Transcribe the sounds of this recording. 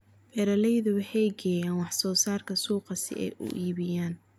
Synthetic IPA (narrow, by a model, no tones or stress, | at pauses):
bɛɾɐlɛjðʊwɑħɛjɡɛːjaːnwɑħsɔːsaːrkʰɐsuːqɑsɪ̰ʔɛ̰jʔʊ̰ʔiːβɪjaːn